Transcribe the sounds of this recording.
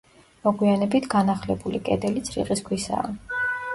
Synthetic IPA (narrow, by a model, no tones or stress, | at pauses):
mɔɡwianɛbit̪ʰɡ̥anaχlɛbulikʼɛd̪ɛlit̪sʰɾḭqʼiskʰwisa̰ː